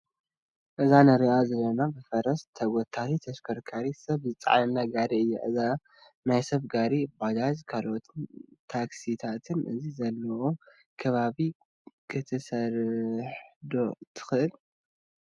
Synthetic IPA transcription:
ʔɨzanɐɾiʔazɐlɐnabɨfɐɾɐst̪ʰɐɡot̪ʰat̪ʰit̪ʰɐʃkʰɐɾkʰaɾisɐβzɨt͡sʼa̰ʕnɨnːaɡaɾiɨjːɛ̰ʔɨza | najsɐβɡaɾibalazkʰalot̪ʰɨnt̪ʰaksit̪ʰat̪ʰɨnʔɨ̰zizɐlːɐʔo | kʰɐβaβi | kʰɨt̪ʰɨsɐɾħd̪o̞t̪ʰɨ̥xɨʔɨl

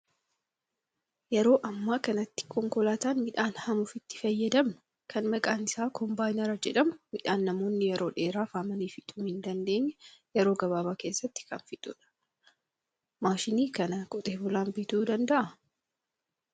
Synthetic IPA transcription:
jɛɾo̞ːʔɐmːaːkɐnɐt̪ːɪ̥kʰɔŋkɔlaːt̪aːnmɪᶑaːnhɐmʊfɪt̪ːɪ̥fɐjːɐd̪ɐmnɐ | kʰɐnmɐkʼaːnɪsaːkʰɔmbaːjnɐɾɐd͡ʒɛᶑɐmʊmɪᶑaːnːɐmo̞ːnːɪjɛɾʔo̞ːᶑe̞ːɾaːfaːmɐniːfɪt̪ʼuːmhɪnd̪ɐnd̪e̞ːɲːɐjɛɾo̞ːɡɐβaːβaːke̞ːsːɐt̪ːɪ̥kɐnfɪt̪ʼṵᶑɐ̥ | maːʃɪniːkɐnɐkʼɔt̪ʼeːbʊlaːmbɪt̪uːd̪ɐnd̪ɐʔɐ

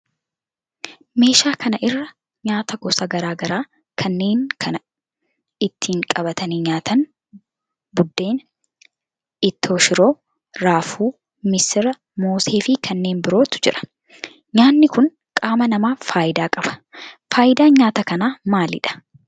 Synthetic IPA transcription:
me̞ːʃaːkɐnɐʔɪrːɐ | ɲaːt̪ɐɡɔsɐɡɐɾaːɡɐɾaː | kʰɐnːe̞ːnkʰɐnɐ | ɪt̪ʰːiːŋkʼɐbɐt̪ɐniɲaːt̪ɐn | bʊd̪ːe̞ːn | ɪt̪ːo̞ːʃɪɾo̞ː | ɾaːfuː | mɪsɪɾɐ | moːseːfɪkʰɐnːe̞ːmbɪɾo̞ːt̪ʊ̥d͡ʒɪᶑɐ̥ | ɲaːnːɪkʊŋ | kʼaːmɐnɐmaːfaːjɪd̪aːkʼɐbɐ̥faːjɪd̪aːɲaːt̪ɐkɐnaːmaːlɪ̰ᶑɐ̥

